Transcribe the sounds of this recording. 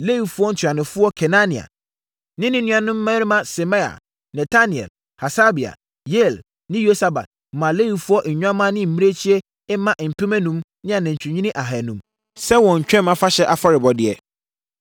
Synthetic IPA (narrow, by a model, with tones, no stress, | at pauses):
le˦wi˨fʊ˦ɔ˦n̩˨tʰa˨nʊ̃˨fʊ˦ɔ˦kʰɛ˨nã˦nɪ̃˨a̰˨ | nɪ̃˦nɪ̃˦nũ˦ã˨nʊ̃˦mː˦ɛ̃˦ɾɪ˦mã˨sɛ˨ma˦a̰˨ | nɛ˨tʰa˦nɪ̃˨ɛ̰˨l | ha˨sa˦bi˨a̰˨ | je˦˨l | nɪ̃˦jo˦sa˨ba̰˨t̚mã˨le˦wi˨fʊ˦ɔ˦ʔɲ̩˨ɲᶣ˦ã˦mã˦nɪ̃˦m̩˨mĩ˦ɾe˦t͡ɕʰi˦ɛ˦ | ɛ˦mã˦ʔm̩˨pʰɪ˦mɛ̃˦nũ˨˦m | nɪ̃˦a˨nɛ̃˨ɲ˨t͡ɕʰᶣu˨ɲĩ˦ɪ̃˦ʔa˨ɦɛ˨nũ˨m | sɛ˦wɔ̃˨ɲ̩˨t͡ɕᶣɛ̃˦mã˨fa˦ɕɛ˦ʔa˨fa˦ɾɪ˨bɔ˨dɪ˨ɛ˨